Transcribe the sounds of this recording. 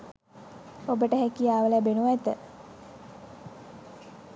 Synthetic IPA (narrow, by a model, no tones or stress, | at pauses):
obəʈəɦekijaːʋələbenuʋæt̪ə